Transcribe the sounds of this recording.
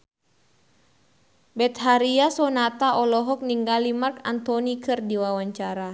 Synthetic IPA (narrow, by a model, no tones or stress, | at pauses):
bɛt̪̚ɦaɾiasɔnat̪aʔɔlɔɦɔk̚niŋɡalimarkant̪ɔnikʰɨrdiwawaɲt͡ʃaɾa